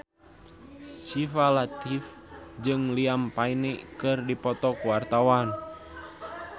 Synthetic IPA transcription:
sifalat̪if | d͡ʒɨŋliampainikɨrdipɔt̪ɔkuwart̪awan

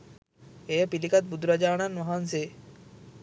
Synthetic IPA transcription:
ejəpilikat̪̚bud̪ɾad͡ʒaːɳ̃anʋaɦanse

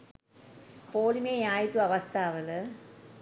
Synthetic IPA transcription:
poːlimeːaːjt̪ːuɐʋɐst̪aːʋɐlɯ

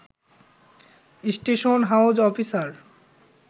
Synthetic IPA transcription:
isʈeʃonɦawd͡ʑɔfisaɾ

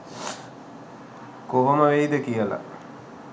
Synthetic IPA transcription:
koʋoməʋeid̪əkijəla̰

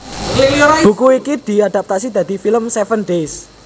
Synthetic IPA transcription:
bṳkuikid̪̥i̤ad̪a̤p̚t̪asid̪a̤d̪i̤filəmsɛfənɖes

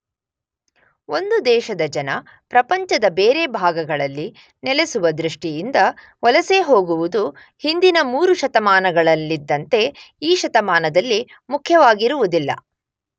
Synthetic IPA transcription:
o̞nd̪ud̪ɛːʃɐd̪ɐd͡ʒɐnɐ | pɾɐpɐɲt͡ʃɐd̪ɐbeːɾe̞bʱaːɡɐɡɐɭɐlːi | nɛlesuʋɐd̪ɾiʂʈijind̪ɐ | ʋɐlɐse̞ɦo̞ːɡuʋud̪u | hind̪inɐmuːɾuʃɐt̪ɐmaːnɐɡɐɭɐlːid̪ːɐnt̪e̞iːʃɐt̪ɐmaːnɐd̪ɐlːi | mukʰjɐʋaːɡiɾuʋud̪ilːɐ̰

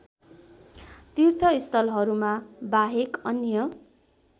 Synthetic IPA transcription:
t̪irt̪ʰʌist̪ʌlɦʌɾumabaɦekʌnjʌ

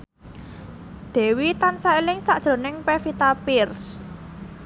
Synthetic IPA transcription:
d̪̥ɛ̤wit̪ansailɪŋsaʔd̥ʒ̥ɾo̤nɪŋpɛfit̪apɪrs

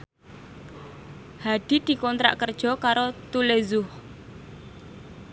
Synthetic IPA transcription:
haɖ̪̥i̤d̪̥i̤kɔnt̪ɾa̰ʔkərd̥ʒ̥ɔ̤kaɾot̪ulezʊh

